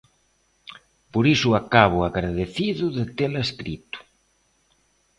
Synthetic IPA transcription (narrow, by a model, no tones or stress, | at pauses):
poɾisʊakaβ̞ʊaɣɾaðeθiðʊðɪt̪elaeskɾit̪ʊ̥